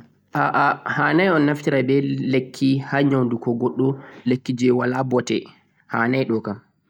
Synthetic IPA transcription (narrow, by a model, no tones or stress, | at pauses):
ʔaʔahaːnajɔnːaftiɾabɛlekʰːihaɲawndukɔɡɔɗːɔlekːid͡ʒɛwalabɔtɛ̰ | hanajɗɔkam